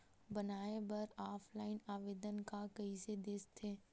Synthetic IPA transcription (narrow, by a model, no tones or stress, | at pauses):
bənaːebɐɾaːpʰlaːɪnaːʋeːd̪ənkakɐised̪eːst̪ʰeː